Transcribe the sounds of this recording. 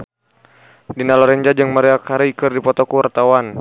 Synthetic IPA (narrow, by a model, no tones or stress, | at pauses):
dinalɔɾɛɲd͡ʒad͡ʒɨŋmaɾiakaɾiikɨrdipɔt̪ɔkuwart̪awan